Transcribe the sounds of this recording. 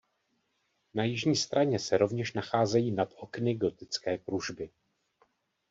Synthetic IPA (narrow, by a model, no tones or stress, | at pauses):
najɪʒɲiːst̪ɾaɲɛsɛɾo̞vɲɛʃnaxaːzɛjiːnat̪ʔo̞knɪɡo̞t̪ɪt͡skɛːkɾuʒbɪ